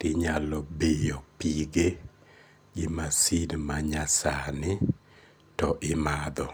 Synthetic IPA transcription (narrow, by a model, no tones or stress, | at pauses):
tɪɲalɔbejopiɡe | ɡɪmasidmaɲasanɪ | tɔʔɪmad̪ɔ